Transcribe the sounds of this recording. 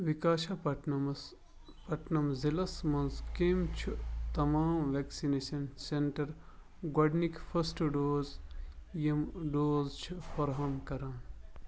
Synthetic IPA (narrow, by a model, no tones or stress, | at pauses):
ʋikaːʃɐpɐm | pɐʈnɐmzilɐsmɐ̃nskeːmt͡ʃʰut̪ɐmaːmʋeːksineːʃɐnseɳʈɐɾ | ɡwɐɖnikfʰɐsʈɖoːzjɐmɖoːzt͡ʃʰufɐɾɦɐmkɐɾaːn